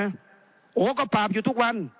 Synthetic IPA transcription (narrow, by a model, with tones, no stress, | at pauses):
ʔoː˨˦k̬ɔː˧˩paː˨˩p̚juː˨t̪ʰu˦˥k̚wa˧˥˨n